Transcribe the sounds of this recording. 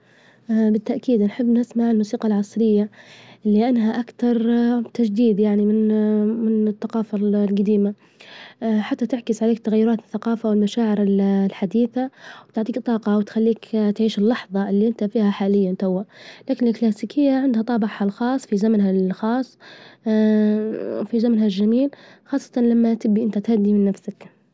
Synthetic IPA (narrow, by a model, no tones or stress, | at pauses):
ʔbɪt̪ːaʔkiːd̪nħɪbːnɪsmaʕɪlmuːsiːqɑlʕɑsˤɾɪjːalːiʔanːɦaʔakt̪ɑɾˤt̪ad͡ʒd̪iːd̪jaʕnimɪnmɪnɪθːaqɑːfallɡad̪iːma | ħat̪ːat̪ɪʕkɪsʕaleːk̚t̪ːaɣajːʊɾˤɑːt̪ɪθːaqɑːfawɪlmaʃaːʕɪɾɪllħad̪iːθawt̪ɪʕt̪ˤiːk̚t̪ˤːɑːqɑwɪt̪xalːiːkt̪ʕiːʃɪlːɑħðˤɑɪlːiʔɪnt̪afiːhaħaːlɪjːant̪ʊwːalaːkɪnɪlklaːsiːkʰɪjːaʕɪnd̪hat̪ˤɑbɑħhalxɑːsˤfizamanɦalxɑːsˤ | fizamanɦalʒamiːlxɑːsˤːɑ̥t̪ɑnlamːat̪ɪbiʔɪnt̪at̪had̪ːimɪnːafsak